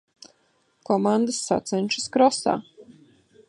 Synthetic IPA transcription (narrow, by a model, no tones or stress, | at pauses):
kɔmand̪əsːa̰t̪sɛnʲʃɨskɾɔsa̰ː